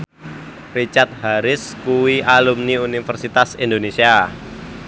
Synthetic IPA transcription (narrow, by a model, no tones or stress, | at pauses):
rit͡ʃart̪̚haɾɪskuwialumniunifərsit̪asindonesia